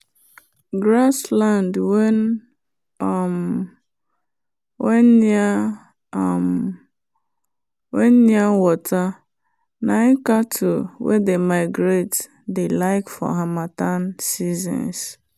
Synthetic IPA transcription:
ɡɾaslandw | m | wen̩a | m | wen̩niawɔta | naɪkatʰuwḛdemaɪɡɾet | delaɪkfɔ̰ɦamatansizɔ̰̃ns

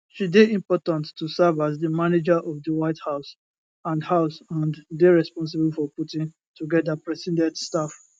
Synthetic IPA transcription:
ʃideĩmpɔtãntːusɛvazdəmaned͡ʒaʔɔvdəwaɪthaʊs | ãndhaʊsãndeɹɛspɔ̃ns̬ɪbulfɔputĩn | tuɡɛdapɹɛsɛ̃ndɛdstaf

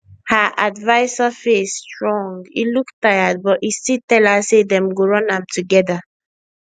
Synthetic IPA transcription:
haʔadvaɪsafestɹɔ̃ŋɡḭluktaɪad̚bɔtistitɛlasedɛ̃mɡoɹɔ̃nãmtuɡɛda

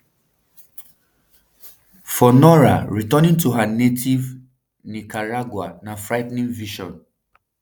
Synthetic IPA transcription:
fɔnɔɹa̰ɹitanĩŋtuɦanetʰiv | nikaɹaɡwanafɹaɪtnĩŋviʃɔ̰̃n

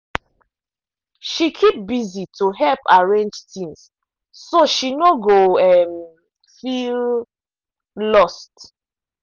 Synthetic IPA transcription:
ʃikʰip̚bizitʰuɦɛlpaɹẽnd͡ʒtĩŋs | soʃinoɡoɛm | fil | lɔst

